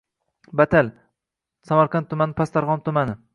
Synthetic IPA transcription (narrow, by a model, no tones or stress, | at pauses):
bat̪ʰal | samaɾqɑnt̪ʰːʊmanɪpʰast̪ʰaɾʁɒnt̪ʊmanɪ